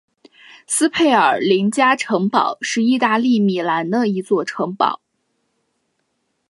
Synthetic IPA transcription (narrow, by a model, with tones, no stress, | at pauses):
sɹ̩˥pʰe˥˩ɪə˞˨˩li˧˥ŋt͡ɕja˥ʈ͡ʂʰɤ˧˥ŋpɑ̰˨˩ʊʂɻ̩˥˧i˥˧t̪a˥˧li˥˩mi˨˩la˧˥nd̪ə˧i˧˥t͡swɔ˥˩ʈ͡ʂʰɤ˧˥ŋpɑ̰˨˩˦ʊ